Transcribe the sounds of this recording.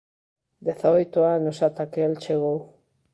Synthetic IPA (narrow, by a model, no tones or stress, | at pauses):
d̪eθaojt̪oanosat̪akeelt͡ʃeɣ̞ow